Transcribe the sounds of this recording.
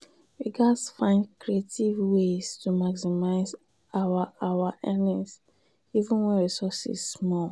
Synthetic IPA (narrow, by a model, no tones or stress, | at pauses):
wiɡasfãɪ̃nkɹietivweztumaksimaɪz | awaawaʔɛnis | ivũnwɛ̃nɹisɔsḭzsmɔl